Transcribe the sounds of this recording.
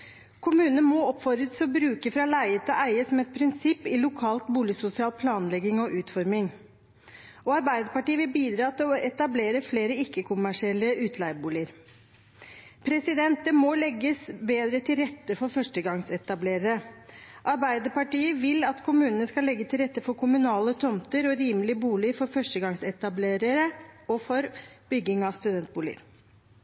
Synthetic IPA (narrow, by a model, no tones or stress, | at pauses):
kʰʊmʉːnəəmɔɔpfɔɾɾət̪sɔbɾʉːkəfɾɑːlæɪət̪ʰɪlʔæɪəsɔmɛt̪̚pʰɾɪnsɪpːɪlʊkʰɑːlt̪buːlɪsʊsɪɑːlpʰlɑːnlɛɡːɪŋɔʔʉːt̪fɔɾmɪŋ | ɔɑɾbæɪd̪əɾpɑʈiːəʋɪlbiːd̪ɾɑːt̪ʰɪlɔʔɛt̪ɑbleːɾəfleːɾəɪkːəkʰʊmæʂɪɛlːəʔʉːt̪ʰlæɪbuːlɪəɾ | pʰɾɛsɪd̪ɛnt̪əmɔlɛɡːəsbeːd̪ɾət̪ʰɪlɾɛt̪ːəfɔɾfœʂʈəɡɑŋsɛt̪ɑbleːɾəɾəʔɑɾbæɪd̪əpɑʈiːəʋɪlɑt̪kʰʊmʉːnənəskɑlːɛɡːət̪ʰɪlɾɛt̪ːəfɔɾkʰʊmʉnɑːlət̪ʰɔmt̪əɾɔɾiːməlɪəbuːlɪəfɔɾfœʂʈəɡɑŋsɛt̪ɑbleːɾəɾəɔfɔɾb̥ʏɡːɪŋɑʋst̪ʉd̪ɛnt̪̚buːlɪ̰ə̰ɾ